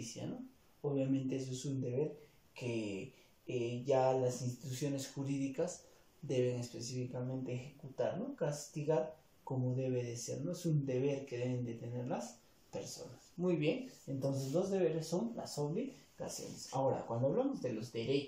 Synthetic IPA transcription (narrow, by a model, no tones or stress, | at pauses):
isja̰no | oβjamẽ̞nt̪e̞es̬oesund̪e̞βe̞ɾ | ke | ʝalasinst̪it̪usjo̞ne̞sxuɾiðikaz | d̪e̞βe̞ŋe̞spe̞s̬ifikamẽ̞nt̪eːxe̞kut̪a̰ɾno̞kast̪iɣaɾ | ko̞mo̞ðe̞βe̞ðe̞se̞̰ɾno̞esund̪e̞βe̞ɾke̞ðe̞βe̞nd̪e̞t̪e̞ne̞ɾlas | pe̞̰ɾso̞̰nasmujβje̞ŋe̞nt̪o̞ns̬e̞zd̪o̞zðe̞βe̞ɾesːo̞ŋla̰so̞βliɣa̰sjo̞̰nesa̰o̞ɾa̰kwand̪oaβlamozðelo̞zd̪e̞ɾe